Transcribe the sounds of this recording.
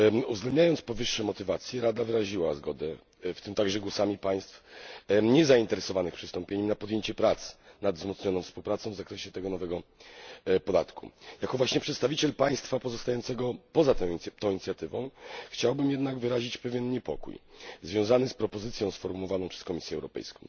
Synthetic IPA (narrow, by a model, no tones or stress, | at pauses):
uvzɡlɛnd̪ɲajɔnspɔvɘʂːɛmɔt̪ɘvat̪sʲjɛɾad̪avɘɾaʑiwazɡɔd̪ɛ | ft̪ɘmt̪aɡʐɛɡwɔsamʲipaj̃st̪fɲɛzaint̪ɛɾɛsɔvanɘxpʂɘst̪ɔmpʲeɲɛmnapɔd̪ʲjeɲt͡ɕɛpɾat̪snad̪vzmɔt̪sɲɔnɔ̃w̃fspuwpɾat̪sɔ̃w̃vzakɾɛɕɛt̪ɛɡɔnɔvɛɡɔ | pɔd̪at̪kṵjakɔvwaɕɲɛpʂɛt̪st̪avʲit͡ɕɛlpaj̃st̪fapɔzɔst̪ajɔnt̪sɛɡɔpɔzat̪ɛt̪ɔ̃w̃iɲt̪ʲjat̪ɘvɔ̃w̃xt͡ɕawbɘmjɛd̪naɡvɘɾaʑit͡ɕpɛvʲjɛnɲɛpɔkṵjzvʲjɔ̃w̃zanɘspɾɔpɔzɘt̪sʲjɔ̃w̃sfɔɾmuwɔvanɔ̃pʂɛ̥skɔmʲisʲjɛwɾɔpɛ̰jskɔ̃